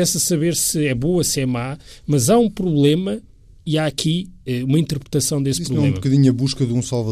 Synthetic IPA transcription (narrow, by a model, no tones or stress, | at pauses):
ɛsɐsɐβeɾsɨɛβoɐsɛmamɐzaũpɾuβlˠemɐ | iaɐkʰiɛumɐĩnt̪ɨɾpɾɨ̥t̪ɐsɐ̃w̃d̪espɾuβɛũemɐkɐðiɲɐβuʃkɐðũsalˠvɐ